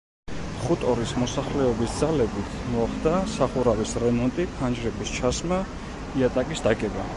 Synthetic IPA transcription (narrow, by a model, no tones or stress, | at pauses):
χut̪ʼɔɾismɔsaχlɛɔbisd̪zalɛbit̪ʰmaχd̪asaχuɾavisɾɛmɔnt̪ʼipʰand͡ʒɾɛbist͡ʃʰasma | iat̪ʼakʼisd̪akʼɛba